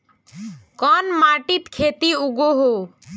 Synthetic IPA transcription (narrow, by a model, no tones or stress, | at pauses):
kɔnmaʈit̪kʰet̪iuɡoɦo